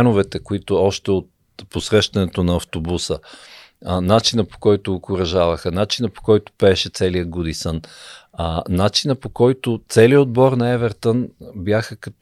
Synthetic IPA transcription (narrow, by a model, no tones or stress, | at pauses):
anʊvɛt̪ɛkoit̪ʊɔʃt̪ɛot̪̚ | posɾɛʃt̪ɐnɛt̪onɐːft̪obusə | nat͡ʃinəpo̥kɔjt̪ʊokʊɾɐʒavɐxənat͡ʃinəpo̥kɔjt̪ʊ̥pɛːʃɛt̪sɛlijəɡud̪isən | nat͡ʃinəpokɔjt̪ʊt̪sɛliəod̪̚bɔɾnɐɛvɛɾt̪ənbʲjaxəkɐt̪